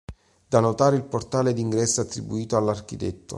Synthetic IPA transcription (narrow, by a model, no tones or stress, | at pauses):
d̪̥anot̪aːɾeilport̪aːled̪iŋɡɾɛsːoat̪ːɾibuiːt̪oalːark̟it̪ɛ̰t̪ːo̰